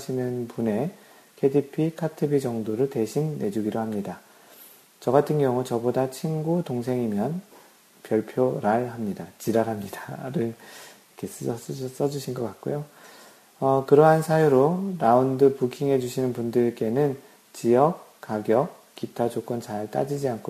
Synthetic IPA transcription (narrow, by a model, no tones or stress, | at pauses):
ɕʰinɯnpune̞ | kʰe̞dipʰikʰatʰebid͡ʑʌŋdoɾɯɭte̞ɕʰinːe̞d͡ʑuɡiɾoɦamɲida | t͡ɕʌɡatʰɯnɡjʌŋut͡ɕʌbodat͡ɕʰinɡutoŋs̬ʰe̞ŋimjʌn | pjʌɭpʰjoɾaɭɦamɲidat͡ɕiɾaɾɦamɲidaɾɯɭ | kʰe̞s͈ʌs͈ʌs͈ʌd͡ʑuɕʰinɡʌk͈at̚k͈ojo | ʌkɯɾʌɦansʰajuɾoɾaundɯpukʰiŋɦe̞d͡ʑuɕʰinɯnpundɯɭk͈e̞nɯn | t͡ɕijʌk̚k͈aɡjʌk̚ | k͈itʰad͡ʑok͈ʌnt͡ɕaɭt͈a̰d͡ʑid͡ʑiankʰo